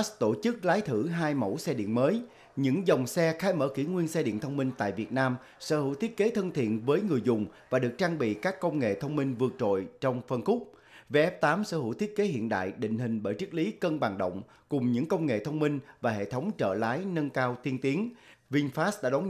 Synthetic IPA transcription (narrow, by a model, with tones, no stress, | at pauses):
st̪o˧˩t͡ɕɨ˦˥k̚laː˨˦jt̪ʰɨ˧˩ɦaː˧jmo̰˧˥wsɛ˧ɗḭ˧˨ənməː˨˦j | ɲɨ̰˧˥ŋzɔ˨˩wŋ͡msɛ˧xaː˨˦jmə̰ː˧˩kḭ˧˩ŋwi˧ənsɛ˧ɗḭ˧˨nt̪ʰə˧wŋ͡mmï˧ŋ̟t̪a̰ː˧˨jvi˨˩ət̚naː˧m | sə̰˧˥hɨ̰˧˩˥wt̪ʰi˦˥ət̚ke˨˦t̪ʰə˧nt̪ʰḭ˧˨ənvəː˨˦jŋɨ˨˩əjzʊ˨˩ŋ͡mvaː˨˩ɗɨ˨˩ə˩k̚t͡ɕaː˧ŋɓḭ˧˨kaː˦˥kːə˧wŋ͡mŋḛ˧˨t̪ʰə˧wŋ͡mmï˧ŋvɨ˨˩ək̚t͡ɕo̰˧˨jt͡ɕɔ˧wŋ͡mfə˧nxʊ˦˥k͡p̚ | ve˧ʔɛ˦˥p̚t̪aː˨˦msə̰ː˧˥hɨ˧˩t̪ʰi˦˥ət̚ke˨˦hḭ˧˨ənɗa̰ː˧˨jɗḭ̈˧˨ŋ̟ɦï˨˩ŋ̟ɓəː˧˩jt͡ɕɨ˦˥k̚li˨˦kə˧nɓaː˨˩ŋɗə̰˧˨wŋ͡m | kʊ˨˩ŋ͡mɲɨ̰˧˥ŋkə˧wŋ͡mŋḛ˧˨t̪ʰə˧wŋ͡mmï˧ŋ̟vaː˨˩hḛ˧˨t̪ʰə˨˦wŋ͡mt͡ɕə̰ː˧˩laː˨˦jnə˧nkaː˧wt̪i˧ənt̪i˨˦ənvi˧nfaː˦˥sɗa̰ː˧˥ɗɔ˨˦